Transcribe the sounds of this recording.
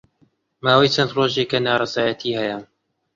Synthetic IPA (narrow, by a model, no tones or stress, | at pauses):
maːwɐjt͡ʃʰɐnd̪roːʒeːkɐnaːɾˤɑzaːjɐt̪ʰiːhɐjɐ